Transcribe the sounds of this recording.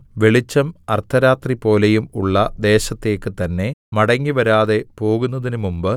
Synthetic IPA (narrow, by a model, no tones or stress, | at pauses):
ʋe̞ɭit͡ɕːɐmɐrt̪ʰːɐɾaːt̪ripo̞ːlejumuɭːɐd̪e̞ːɕɐt̪ːe̞ːkːɨt̪ɐnːe̞mɐɽɐŋːiʋɐɾaːðe̞po̞ːɣunːɐðinumumbɨ